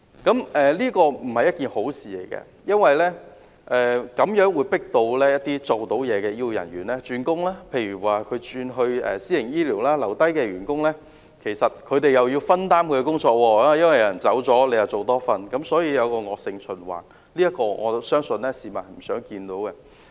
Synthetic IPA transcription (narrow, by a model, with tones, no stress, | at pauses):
kɐ˨˥mʔɛː˨liː˥kɔː˧m̩˨˩hɐ˨jɐ˥t̚kiː˨˩nho˨˥wsiː˨˩le˨˩jkɛ̰˧ | jɐ˥nwɐ˨jlɛː˥ | ʔɛː˨kɐ˨˥mjœː˨˥ŋwuː˨˧jpɪ˥k̚t̪o˧wlɛː˥jɐ˥t̚t̪iː˥t͡so˨wt̪o˨˥wjɛː˨˧kɛː˧ji˥wjɐ̰˨˩nɥy̰ː˨˩nlɛː˥t͡ʃyː˧nkʊ˥ŋlaː˥pʰe˧jɥyː˨˩waː˨kʰɵ˨˧ɥt͡ʃyː˧nɦɵ˧ɥɛ̰ː˨siː˥ɪ˨˩ŋjiː˥liː˨˩wlaː˥lɐ˨˩wt̪ɐ˥jkɛː˧ɥyː˨˩nkʊ˥ŋlɛː˥ | kʰe˨˩jsɐ˨t̚kʰɵ˨˧ɥt̪e˨jɐ˨wjiː˧wfɐ˥nt̪aː˥mkʰɵ˧kɛ˧kʊ˥ŋt͡sɔː˧k̚wɔː˧˦˨jɐ˥nwɐ˨jɐ˨˩nt͡sɐ˨˥wt͡sɔː˨˥le˨˧jɐ˨˩t͡so˨wt̪ɔː˥fɐ˧nkɐ˨˥msɔː˨˥jiː˧jɐ˨˧wkɔː˧ŋɔː˨k̚sɪ˧ŋt͡ʃʰɵ˨˩nwa̰ː˨n | liː˥jɐ˥t̚kɔː˧ŋɔ̰ː˨˧sœː˥ŋsɵ˧nlɛ˥siː˨˩mɐ˨˩nhɐ˨˩jm̩˨˩sœː˨˥ŋkiː˧nt̪o˨˥wkɛ˧